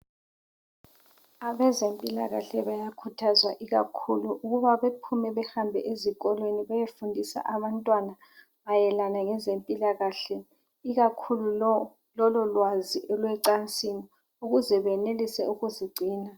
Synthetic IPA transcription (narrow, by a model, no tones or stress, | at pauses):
aβɛzempʼila̰ɣa̰ɬɛβajakʰutʰazwaʔiɣa̰kʰuluʔuɣuβaβepʰumɛβɛhambʱɛ̰ʔeziɣʼɔlweniβajefundʱisa̰ʔaβantʼwana | βajɛlanaŋɛzempʼilaɣaɬɛ | iɣakʰulu | lɔlɔlwaziʔɛlwɛǀant͡sʼini | uɣuzɛβɛnelisɛ̰uɣuziɡ͡ǀʱiːna